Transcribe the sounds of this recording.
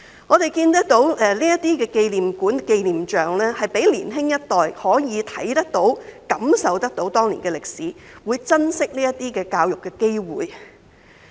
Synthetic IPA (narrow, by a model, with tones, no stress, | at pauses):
ŋɔː˨˧t̪e˨jkiː˧nt̪̬ɐ˥k̚t̪o˨˥wɛ˨˧liː˥jɐ˥tt̪iː˥kɛː˧ke˧jliː˨˩mkuː˨˥nke˧jliː˨˩mt͡ʃœː˨ŋlɛː˥hɐ˨jpe˨˥jlḭː˨˩nɦɪ˥ŋjɐ˥t̚t̪ɔː˨jhɔː˨˥jiː˨˧t̪ʰɐ˨˥jt̪ɐ˥k̚t̪o˨˥wkɐ˨˥msɐ˨wt̪ɐ˥k̚t̪o˨˥wt̪ɔː˥ŋlḭ˨˩kɛː˧lɪ˨k̚siː˨˥ | wuː˨˧jt͡sɐ˥nsɪ˥k̚liː˥jɐ˥tt̪iː˥kɛː˧kaː˧wjʊ˨kːɛː˧ke˥jwṵː˨j